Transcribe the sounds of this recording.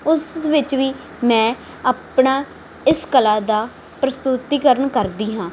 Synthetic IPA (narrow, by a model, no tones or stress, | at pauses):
ʊsʋɪt͡ʃʋiː | mɛ̃ː | aːpɳaː | ɪskəlaːd̪aː | pɾəst̪ʊt̪iːkəɾəɳkəɾd̪iːɦãː